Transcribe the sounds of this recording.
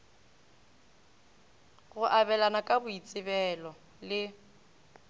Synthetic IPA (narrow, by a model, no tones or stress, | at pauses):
ɣʊʔabɛlanakʼabʊit͡sʼɪbɛlɔ | lɪ